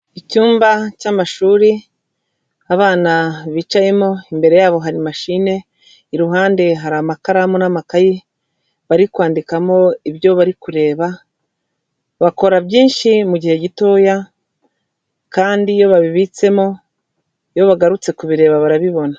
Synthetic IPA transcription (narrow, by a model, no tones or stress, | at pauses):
icuːmbacamaʃuːɾi | aβaːnaβiːt͡ʃaje̞mo̞imbe̞ɾe̞jaːβo̞ɦaɾimaʃine̞ | iɾuɦaːnde̞ɦaɾamakaɾamonamakaji | βaɾikwaːndikamo̞iβjo̞βaɾikuɾe̞ːβa | βako̞ɾabɟiːnʃimuɟihe̞ɟito̞ːja | kaːndijo̞βaβiβit͡se̞mo̞ | jo̞βaɡaɾut͡se̞kuβiɾe̞ːβaβaɾaβiβo̞na